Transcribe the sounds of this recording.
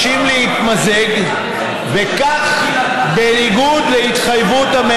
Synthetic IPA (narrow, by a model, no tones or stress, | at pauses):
imlehit̪mazeɡ | vekaχ | beniɡud̪leit̪χajvut̪hame